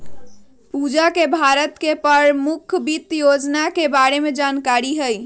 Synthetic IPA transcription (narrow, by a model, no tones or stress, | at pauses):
pud͡ʒakebʱaɾət̪kepəɾmukʰbit̪jod͡ʒnakebaɾemed͡ʒankaɾiɦəj